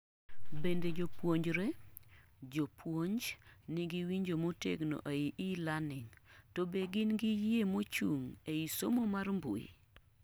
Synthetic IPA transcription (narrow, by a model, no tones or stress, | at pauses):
bended͡ʒopwoɲd͡ʒɾe | d͡ʒopʰwoɲd͡ʒnɪɡiwiɲd͡ʒomotḛɡno̰ʔeiʔilanɪŋtobeɡɪnɡɪjemot͡ʃuŋeisomomarmbṵḭ